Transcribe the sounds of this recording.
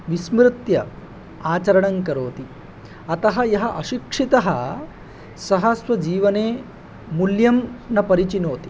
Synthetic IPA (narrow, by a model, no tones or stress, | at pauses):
ʋismɾɪt̪jɐ | aːt͡ɕɐɾɐɳɐŋkɐɾoːt̪i | ɐt̪ɐɦɐjɐɦɐʔɐɕikʂit̪ɐɦɐ | sɐɦɐsʋɐd͡ʑiːʋɐneː | muljɐmnɐpɐɾit͡ɕinoːt̪i̥